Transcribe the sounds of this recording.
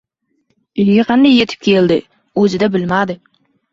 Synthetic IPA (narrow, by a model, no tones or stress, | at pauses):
ɪjɡʲeqʰɑnd̪ɑjːe̞t̪ʰɪp̚kʲʰeld̪ɪ | ɵzɪd̪æbɪlmad̪ɪ